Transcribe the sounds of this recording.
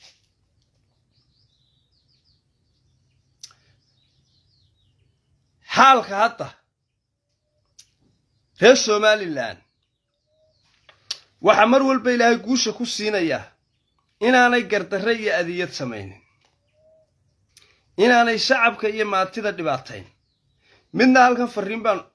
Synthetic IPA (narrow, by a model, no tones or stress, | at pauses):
ħaːlkʰɐɦɐd̪ɐ | rɛːrsɔːmaːlɪla̰ːn | wɑħɑːmɐrwɐlbɐɪlaːhɛjɡuːʃɐkʰʊsiːnɐja̰ | ɪnaːnɛjɡɐrd̪ɐrɛijɔɐðɪjɐd̪sɐmɛ̰jnɪ̰n | ʔɪnaːnɛjʃɑʕɑbkʰɐijɞmaːt̪ʰɪðɐɖɪβaːt̪ʰɛ̰jn | mɪd̪nɐhɐlkʰɐnfɐrimbaːn